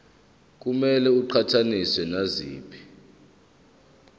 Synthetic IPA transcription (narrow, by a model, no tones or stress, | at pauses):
k̬ʼumɛlɛuǃʰatʰaniswɛnazḭːpʰi̥